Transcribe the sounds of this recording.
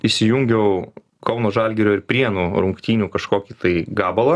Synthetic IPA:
isʲɪjʊŋʲɡʲɛʊ | kʰɐʊnoːʒɑlʲɡʲɛɾʲoːɪɾpʲɾʲiɛnuːɾʊŋkt̪ʲiːnʲuːkɐʃkoːkʲiːt̪ɐɪɡɑːbɐlˠɐ

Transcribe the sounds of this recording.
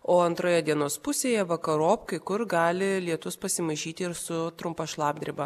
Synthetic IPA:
oːɐnt̪ɾoːjɛd̪ʲiɛnoːspʊsʲeːjɛʋɐkɐɾoːpkɐɪkʊɾɡɑːlʲɪlʲiɛt̪ʊspɐsʲɪmɐʒʲiːt̪ʲɪɪɾsʊt̪ɾʊmpɐʃlˠɑːb̚ʲd̪ʲɾʲɪbɐ

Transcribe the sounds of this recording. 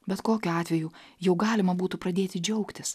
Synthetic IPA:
bʲɛt̪koːkʲʊɑːt̪ʲʋʲɛjuːjɛʊɡɑːlʲɪmɐbuːt̪ʊpɾɐd̪ʲeːt̪ʲɪd͡ʒʲɛʊkt̪ʲɪs

